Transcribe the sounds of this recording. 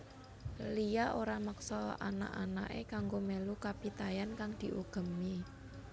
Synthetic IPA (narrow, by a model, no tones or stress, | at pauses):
lijaʔoɾaməksɔa̰na̰ʔa̰na̰ʔekaŋɡomelukapit̪ajankaŋd̪̥i̤ʔuɡ̥ə̤mi